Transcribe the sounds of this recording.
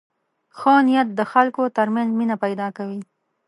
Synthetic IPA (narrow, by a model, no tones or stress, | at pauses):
xənijat̪̚d̪əxalkot̪əɾmanzminapajd̪ɑkawi